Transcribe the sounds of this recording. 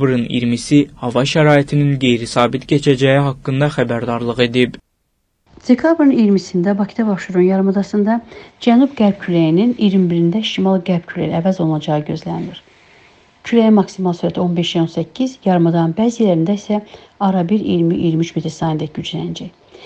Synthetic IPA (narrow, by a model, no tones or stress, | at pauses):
bɾɯnḭɾmisihɑvɑʃæɾɑːit̪ʰininɡe̞jɾisɑːbit̪ɟet͡ʃʰæd͡ʒæjiɦɑkːɯnd̪ɑxæbæɾd̪ɑɾlˠɯɣe̞d̪ib | d̪̥ekʰɑbɾɯnijɾmisind̪æbɑcʰi̥d̪ɑbɑʃtuɾunjɑɾmɯd̪ɑsɯnd̪ɑd͡ʒænubɡæɾb̚cʰylæjininijɾimbiɾind̪æʃimɑlˠɡæɾb̥cʰylæ̰jiævæzo̞lˠunɑd͡ʒɑɯɟø̞zlænd̪iɾ̥ | cʰylæjimɑksimɑlˠsyɾæt̪ʰo̞nbe̞ʃjæo̞nsæcʰːizjɑɾmɯd̪ɑnbæzilæɾind̪æisæɑɾɑbiɾḭjɾmiʔḭjɾmyt͡ʃʰmet̪ʰɾsɑind̪ɛyd͡ʒlænd͡ʒæj